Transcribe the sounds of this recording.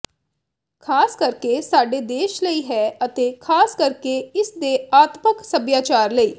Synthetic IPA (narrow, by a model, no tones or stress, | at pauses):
kʰaːskəɾkesaːɖed̪eːʃləiɦɛːət̪ekʰaːskəɾkeɪsd̪eaːt̪məksəbjaːt͡ʃaːɾləiː